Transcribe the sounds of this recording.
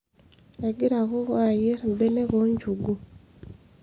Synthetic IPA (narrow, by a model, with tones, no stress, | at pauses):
eɡi˦ɾa˨ɣo˦ɣwa˦˨je˦ɾmbe˦ne˦ɣo˦ɲɟu˨ɡu